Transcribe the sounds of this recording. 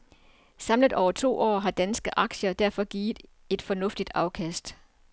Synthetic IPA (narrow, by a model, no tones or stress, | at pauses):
sɑ̈mləðˠʔɒʊ̰ɐt͡sʰo̝̰ːɒ̰ːɦɑ̈d̥ænsɡ̥əʔɑ̈ɡ̥ɕɐd̥æɐ̰fɒ̽ɡ̥iːð̥̩ˠ | e̝d̥fɒ̽nɔ̽fd̥id̥ɑ̈ʊkʰæsd̥